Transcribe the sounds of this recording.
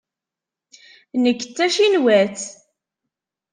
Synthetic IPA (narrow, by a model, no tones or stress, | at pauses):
nəkːət͡sːæʃinwæθ